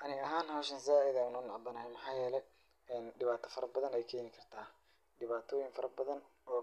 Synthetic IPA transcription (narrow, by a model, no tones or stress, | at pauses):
ʔɐnɪɣɐɦaːnɦɐːʃɐnsaːʔɪðaːnɔːnɑʕɑb̪ɐnɐɦɛmɑħɑːjɛːlɛj | ɛːnɖɪβaːt̪ʰɐ̥fɐɾɐbɐðɐnɛjkʰɛːnɪkʰɐrt̪ʰaː | ɖɪβaːt̪ʰɔːjɪŋfɐɾɐbɐðɐn | ɔː